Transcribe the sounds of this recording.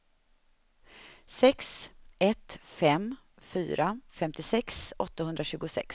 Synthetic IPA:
sɛksɛt̪fɛm | fy̰ːɾafɛmt̪ɪsɛksɔt̪ːahɵnd̪ɾaɕʉ̟ːɡʊsɛ̰ks

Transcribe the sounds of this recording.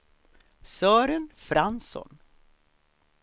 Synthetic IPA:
sœːɾənfɾansɔ̰n

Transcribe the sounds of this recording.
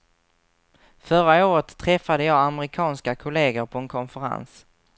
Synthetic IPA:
fœɾaɪoːɾət̪ʰːɾɛfːad̪əjɑːaməɾɪkʰɑːnskakʰʊleːɡəɾpʰɔɛnkʰɔnfəɾa̰ns

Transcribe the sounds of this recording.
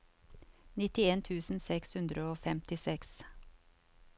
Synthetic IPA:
nɪt̪ɪeːnt̪ʰʉːsn̩sɛkshʉnd̪ɾəoːfɛmt̪ɪsɛks

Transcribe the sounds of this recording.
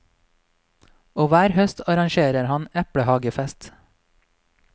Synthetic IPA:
oːʋæːɾhœst̪ʰɑɾɑŋʃeːɾəɾhɑnɛpɽəhɑːɡəfɛst̪

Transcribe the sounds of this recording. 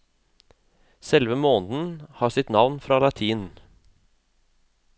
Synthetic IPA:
sɛlʋəmoːnd̪n̩hɑːsɪt̪nɑʋnfɾɑːlɑt̪ʰiːn

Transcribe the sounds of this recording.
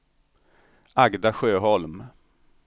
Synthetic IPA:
aɡd̪aɧøːɦɔlm

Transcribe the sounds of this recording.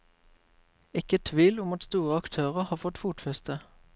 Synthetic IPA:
ɪkət̪ʰʋiːlʊmɑt̪st̪uːʁəɑkt̪ʰøːʁəhɑːfɔt̪fuːt̪fɛst̪ʰə

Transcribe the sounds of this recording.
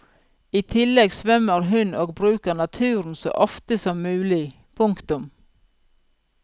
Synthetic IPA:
iːt̪ʰɪlːɛɡsʋœmːəɾɦʉnoːɡ̚bɾʉːkəɳɑt̪ʰʉːɾn̩so̰ːʔɔft̪əsɔmːʉːlɪ | pʰʊŋkt̪ʊm

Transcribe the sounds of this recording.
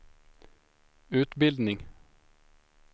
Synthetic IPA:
ʉːt̪bɪld̪nɪŋ

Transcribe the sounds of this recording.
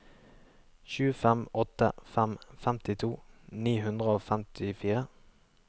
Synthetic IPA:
çʉːfɛmʔɔt̪ə̰fɛmfæmt̪ɪt̪ʰuːniːhʉnd̪ʁəoːfæmt̪ʰɪfiːʁə

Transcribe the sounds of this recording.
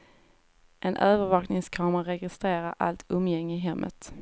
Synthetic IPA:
ʔɛnʔøːvəɾvɑːknɪŋskʰɑːmaɾɾɛɡɪst̪ɾeːɾaɾʔa̰lt̪ʰɵmːjɛŋːɪɦɛmːʔə̰t̪

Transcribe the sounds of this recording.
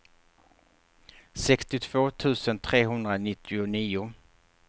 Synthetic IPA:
sɛkst̪ɪt̪ʰv̥oːt̪ʰʉ̟ːsənt̪ʰɾeːɦɵnd̪ɾanɪt̪ʰːɪʊniːʊ

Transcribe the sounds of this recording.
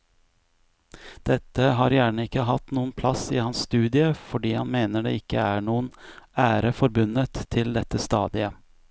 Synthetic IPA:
d̪̥ɛt̪ːəɦɑːɾjæːɳəɪkːəɦɑt̪nuːənpʰlɑsɪːhɑnsst̪ʉːd̪ɪəfɔɖiːhɑnmeːnəɖḛːɪkːəæɳuːənæːɾəfɔɾbʉnət̪ʰːɪld̪ɛt̪ːəst̪ɑ̰ːd̪ɪə

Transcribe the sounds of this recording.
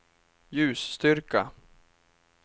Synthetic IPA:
jʉ̟ːsːt̪ʏɾka

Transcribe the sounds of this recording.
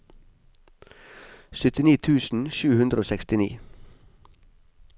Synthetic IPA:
sʏt̪ɪniːt̪ʰʉːsn̩ʃʉːhʉnd̪ɾəoːsɛkst̪ɪnḭː

